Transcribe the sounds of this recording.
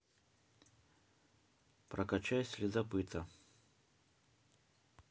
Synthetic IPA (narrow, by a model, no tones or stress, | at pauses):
pɾɐkat͡ɕajsʲlʲɪzɐpɨt̪ɐ